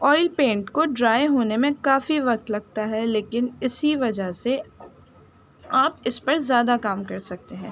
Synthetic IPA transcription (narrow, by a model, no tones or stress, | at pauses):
ɔːɪlpẽːɳʈkoɖɾaːjeɦoːnemẽkaːfiʋɐk̚t̪lɐɡ̚t̪aɦɛleːkɪnɪsiʋɐd͡ʒəɦse | aːpɪspɐɾzjaːd̪akaːmkɐɾsɐk̚t̪eɦɛ̃ː